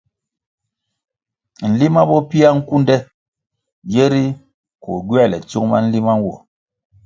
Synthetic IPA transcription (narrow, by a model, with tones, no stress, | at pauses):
n̩˨li˦ma˦bɔ˦pi˦a˦ŋ̩˦ku˦n˦dɛ˦ | d͡ʒe˦ɾi˦ | kɔ̰˨ɡwɛ˦˨lɛ̰˨t͡su˦ŋma̰˦n̩˦li˦ma˦n˦wɔ̰˨